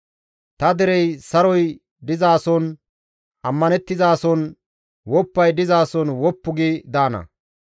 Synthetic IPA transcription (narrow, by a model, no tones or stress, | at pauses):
t̪ɐd̪ɛɾɛjsɐɾɔj | d̪ɪzaːsɔn | ʔɐmːɐnɛt̪ːɪzaːsɔn | wɔpːɐjd̪ɪzaːsɔnwɔpːʊɡiːd̪aːnɐ̰